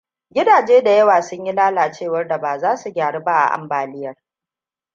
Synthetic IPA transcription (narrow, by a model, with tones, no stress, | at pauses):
ɡʲɪ˦daː˨d͡ʒeː˦da˨jɐ˦waː˨sʊ˦ɲji˦laː˦laː˨t͡ʃeː˦˨wɐ˦rda˨baː˨zaː˦su˨ɡʲaː˨ɽe˦ba˦ʔa̰˨ʔa̰˨mbaː˨lɪ˦jɐ˨r